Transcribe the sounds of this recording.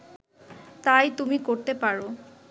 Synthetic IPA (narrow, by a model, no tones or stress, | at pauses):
t̪ajt̪umikoɾt̪epaɾo